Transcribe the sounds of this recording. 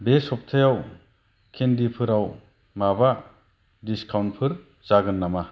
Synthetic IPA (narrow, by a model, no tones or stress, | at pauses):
besɔp̚tʰajaw | kʰendipʰɯɾaw | maba | diskʰawnpʰɯɾ | t͡ʃaɡɯnːama